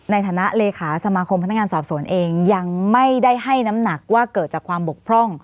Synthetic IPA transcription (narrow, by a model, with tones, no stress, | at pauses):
na˧jt̪ʰaː˨˩˦na˦˥ʔleː˧kʰaː˩˦sa˧maː˧kʰo˧mpʰa˧n˦˥kŋaː˧nsɔː˨˩p̚su˨˩˦ənʔeː˧ŋja˧ŋma˥˩jda˥˩jɦa˥˩jna˦˥mna˨˩k̚waː˥˩kɤː˨˩t̪̚t͡ɕaː˨˩kʰwaː˧mbo˨˩k̚pʰɾɔ˥˩ŋ